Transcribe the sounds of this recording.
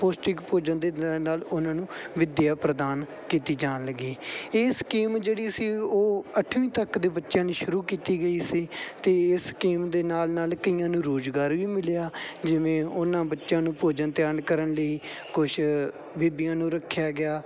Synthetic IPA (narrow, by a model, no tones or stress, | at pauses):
poːsʈɪkpoːd͡ʒənd̪eːnaːlʊnãːnũːʋɪd̪ɪjaːpɾəd̪aːn | kiːt̪iːd͡ʒaːnləɡiːɪskiːmd͡ʒeːɽiːəsiːoːəʈʰːʋĩːt̪əkd̪eːbətːʃjãːnẽːʃʊɾuːkiːt̪iːɡəiːsiːt̪eːɪskiːmd̪eːnaːlnaːlkəiːãːnũːɾoːd͡ʒɡaːɾʋiːmɪlejaːd͡ʒɪʋẽːʊnãːbətːʃjãːnũːpoːd͡ʒənt̪jaːnkəɾənləiː | kʊʃ | biːbɪjãːnũːɾəkʰːjaːɡɪaː